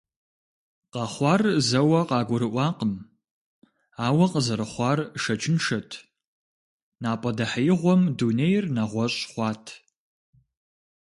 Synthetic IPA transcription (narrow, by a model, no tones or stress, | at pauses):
qɑχʷɑːrzɐwɐqɑːɡʷʊɾɨʔʷɑːqəm | aːwɐqəzɐɾɨχʷɑːrʃɐt͡ʃʰʼɪnʂɐtʰ | naːpʼɐdɐħɐjɪʁʷɔmdunejrnɐʁʷɔɕʼχʷɑːtʰ